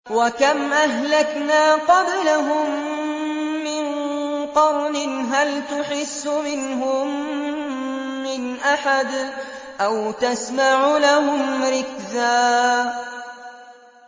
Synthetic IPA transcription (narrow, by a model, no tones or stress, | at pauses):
wakamʔaɦlaknaːqɑblaɦʊmː | ɪnqɑwnɪnɦalt̪ʊħɪsːʊmɪnɦʊm | ɪnʔaħad̪ʔawt̪asmaʕʊlahʊmɾɪkzaː